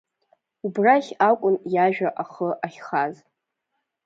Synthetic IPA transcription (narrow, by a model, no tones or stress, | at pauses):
ubraχʲakʷʼʊnjaʒᶣaʔaχəʔaχʲχaz